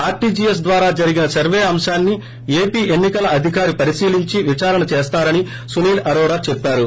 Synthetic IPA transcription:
aːɾʈiːd͡ʒiːjes̬d̪ʋaːɾaːd͡ʒɐɾiɡinɐsɐɾʋeːɐmʃaːnːi | eːpiːʔe̞nːikɐlɐɐd̪ʱikaːɾipɐɾiʃiːliɲt͡ʃiʋit͡ʃaːɾɐnɐt͡ʃeːst̪aːɾɐni | suniːlɐɾɔːɾaːt͡ʃepːaːɾu

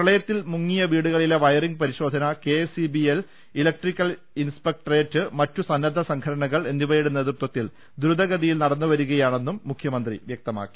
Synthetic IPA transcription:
ɾɐɭɐjɐt̪ːilmuŋːijɐʋiːɽuɣɐɭile̞ʋɐjɐriŋɡpɐɾiɕo̞ːd̪ʱɐnɐke̞sibiel | ilɐk̚ʈrikʲːɐl | inspek̚ʈreːtːɨmɐtːusɐnːɐd̪ʱːɐsɐŋkʰɐɾɐɳɐɣɐɭe̞nd̪iʋɐjiɽune̞ðut̪ːwɐt̪ːil | d̪ɾud̪ɐɣɐðijilnɐɽɐnːuʋɐɾuɣɐjaːɳe̞nːumːukʰjɐmɐnd̪rḭʋjɐk̚t̪ɐma̰ːkːi̥

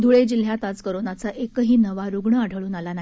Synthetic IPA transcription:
d̪ʱuɭed͡ʑil̤jat̪ad͡zkəɾonat͡saʔekəɦiːnəʋaɾuɡɳəaɽʱəɭuːnalanaɦi

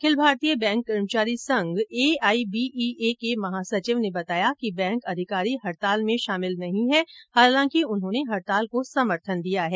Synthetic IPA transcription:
kʰɪlbʱaːɾt̪ijəbɛ̃ːŋkːɐɾmt͡ʃaːɾisɐ̃ŋɡeːaːibiːʔiʔekemɐɦaːsɐt͡ʃɪʋnebɐt̪aːjakibɛ̃ːŋkɐd̪ʱɪkaːɾiɦɐɾt̪aːlmẽʃaːmɪlnɐɦĩɦɛhaːlãːkiʊnɦõːneɦɐɾt̪aːlkosɐməɾt̪ʰənd̪ijaɦɛː

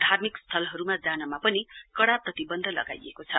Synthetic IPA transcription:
d̪ʱarmikst̪ʰʌlɦʌɾumad͡zanʌmapʌnikʌɽaprʌt̪ibʌnd̪ʱʌlʌ̰ɡa̰jḛkot͡sʰʌ̰

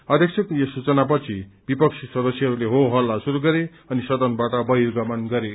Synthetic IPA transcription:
ʌd̪ʱjʌksʰekjʌsut͡sʌnap̬ʌt͡sʰibipʌksʰisʌd̪ʌsjʌɦʌɾuleɦoɦʌlːasuɾuɡʌɾe | ʌnisʌd̪ʌnbaʈʌbʌɦirɡʌmʌnɡʌɾe

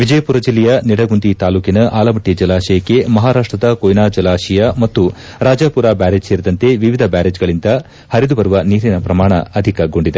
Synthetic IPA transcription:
ʋid͡ʒɐjɐpuɾɐd͡ʒilːɛjɐniɽɐɡund̪it̪aːluːkinɐʔaːlɐmɐʈːid͡ʒɐlaːʃɐjɐkːe̞mɐɦaːɾaːʂʈɾɐd̪ɐkojnaːd͡ʒɐlaːʃɐjɐmɐt̪ːu | ɾaːd͡ʒapuɾaːbaːɾed͡ʒseːɾid̪ɐnt̪e̞ʋiʋid̪ʱɐbaːɾeːd͡ʒɡɐɭind̪ɐ | hɐɾid̪ubɐɾuʋɐniːɾinɐpɾɐmaːɳɐɐd̪ʱikɐɡo̞ɳɖid̪e

